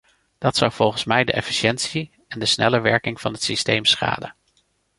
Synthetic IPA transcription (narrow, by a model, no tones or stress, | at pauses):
d̥ɑtsɑwv̥ɔlˠχənsmɛjdəʔɛfi̥ʃɛntsi | ɛndəsnɛ̰ləʋɛɹkɪŋv̥ɑnɦətsistejmsχa̰ːdə